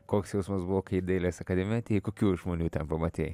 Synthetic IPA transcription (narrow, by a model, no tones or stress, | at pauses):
koːksjɛʊsmɐsbʊʋoːkɐɪɪd̪ɐɪlʲeːsɐkɐd̪ʲɛmʲjɛt̪ʲekoːkʲuːʒmoːnʲuːt̪ʲɛnpɐmɐt̪ʲeːj